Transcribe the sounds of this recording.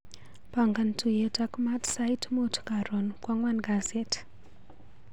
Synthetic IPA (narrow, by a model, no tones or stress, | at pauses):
paŋɡantʰujɛtakmatsajtmutkaɾɔnkwaŋwanɡazeti̥